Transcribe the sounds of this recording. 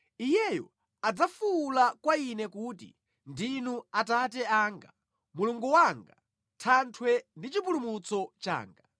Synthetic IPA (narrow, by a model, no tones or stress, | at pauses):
ijɛjɔ̰ | ad͡zafuːlakwainɛkuːtḭ | ndinuatatɛaːŋɡa̰ | muluŋɡuwaŋɡa | tʰantʰwɛndit͡ʃipulumut͡sɔt͡ʃa̰ːŋɡa